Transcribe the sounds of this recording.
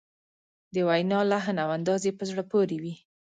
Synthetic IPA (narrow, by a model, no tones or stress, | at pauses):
d̪əwajnɑlaɦnawand̪ɑzepəzɽəpoɾewi